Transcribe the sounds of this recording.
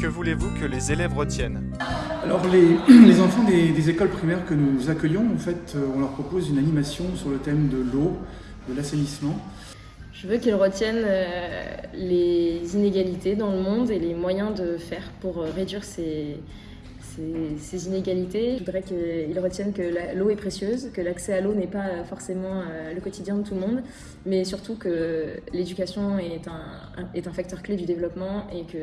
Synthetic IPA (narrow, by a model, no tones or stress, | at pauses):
kəvulevukəlezelɛvʁət̪jɛn | alɔʁlelezɑ̃fɑ̃d̪ed̪ezekɔlpχimɛʁkənuzakʲœjɔ̃ɑ̃fɛt̪ʰøɔ̃lœʁpχɔpozynanimasjɔ̃syʁlət̪ɛmd̪əlo | d̪əlasenismɑ̃ | ʒ̥əvøkilʁət̪jɛnø | lezineɡalit̪ed̪ɑ̃ləmɔ̃d̪elemwajɛ̃d̪əfɛʁpuʁʁed̪ɥiʁse | sesezineɡʲalit̪eʒud̪iʁɛkəilʁət̪jɛnkəlaloɛpχesjøzkəlaksɛalonɛpaøfɔʁsemɑ̃øləkɔt̪ʰid̪jɛ̃ət̪ulmɔ̃d̪ | mɛsyʁt̪ukəled̪ykʲasjɔ̃ɛt̪ɛ̃ | ɛt̪ɛ̃fak̚t̪œʁkled̪yd̪evlɔpmɑ̃ekə